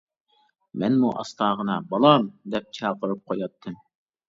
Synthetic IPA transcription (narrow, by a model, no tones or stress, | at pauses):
mɛnmuʔɑ̰st̪ɑːʁənɑbɑlˠɑmd̪ɛp̚t͡ʃʰɑːqəɾɨp̚qʰojɑt̪ʰːɨm